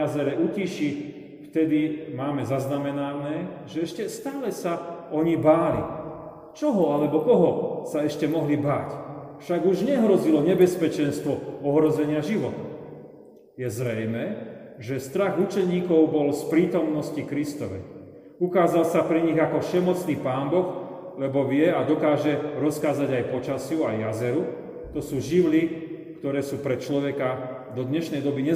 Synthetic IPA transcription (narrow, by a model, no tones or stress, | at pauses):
azɛɾɛʔuciʃi | ft̪ɛd̪imaːmɛzaznamɛnanɛʒɛɛʃcɛst̪aːlɛsaɔɲibaːlḭ | t͡ʃɔɦɔalɛbɔkɔɦɔsaɛʃcɛmɔɦlibaːcfʃaɡuʒɲɛɦɾɔzilɔɲɛbɛspɛt͡ʃɛnst̪ʋɔɔɦɾɔzɛɲɪaʒiʋɔt̪ | jɛzɾɛjmɛʒɛst̪ɾaɣut͡ʃɛɲiːkɔʊbɔlspɾiːt̪ɔmnɔscikɾist̪ɔʋɛ̰ | ukaːzalsapɾiɲiɣakɔfʃɛmɔt͡sniːpaːnbɔx | lɛbɔʋɪɛad̪ɔkaːʒɛɾɔskaːzaɟajpɔt͡ʃasɪjuajːazɛɾu | t̪ɔsuːʒiʋli | kt̪ɔɾɛːsuːpɾɛt͡ʃlɔʋɛka | d̪ɔd̪ɲɛʃnɛjd̪ɔbiɲɛ